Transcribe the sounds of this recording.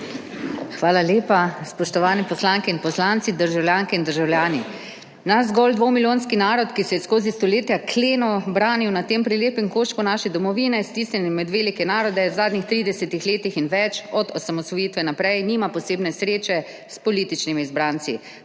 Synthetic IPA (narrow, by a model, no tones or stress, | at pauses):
xʋaːlaljeːpaspɔʃt̪ɔʋaːnɛpɔslaːŋkɛinpɔslant̪sid̪əɾʒawljaːŋkɛind̪əɾʒawlʲjaːni | nazɡɔld̪ʋomilʲjoːnskinaːɾɔt̪kisɛjɛskoːzist̪ɔleːt̪jakʰleːnɔbɾaːniwnat̪eːmpɾileːpɛŋkoʃkɔnaʃɛd̪ɔmɔʋiːnɛst̪ist̪ɛnimɛd̪ʋeːlikɛnaːɾɔd̪ɛwzaːd̪nixt̪ɾiːd̪ɛsɛt̪ixleːt̪ixinʋɛt͡ʃɔd̪ɔsamɔsʋɔjiːt̪ʋɛnapɾɛjniːmapɔseːbnɛsɾeːt͡ʃɛ | spɔliːt̪it͡ʃnimiizbɾaːnsi